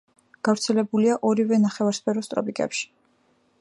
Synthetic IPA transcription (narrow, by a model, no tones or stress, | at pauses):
ɡ̥avɾt̪sʰɛlɛbuliaʔɔɾivɛnaχɛvaɾspʰɛɾɔst̪ʼɾɔ̰pʼikʼɛ̰pʃi̥